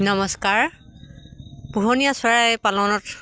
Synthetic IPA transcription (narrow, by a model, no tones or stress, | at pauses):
nɔmɔskaɹ | puɦɔnijasɔɹaɛpalɔnɔt